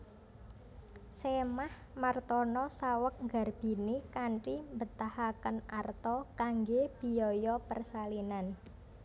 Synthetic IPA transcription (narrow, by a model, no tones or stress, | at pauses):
semah | mart̪ɔnɔsawək̚ŋɡa̤rb̥i̤nikaɳʈimbət̪ahakənart̪ɔkaŋɡeb̥i̤jɔjɔpərsalinan